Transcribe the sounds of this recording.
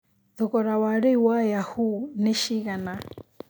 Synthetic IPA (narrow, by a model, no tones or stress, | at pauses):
ðɔkɔɾawaɺɛwajahunɛʃiɣana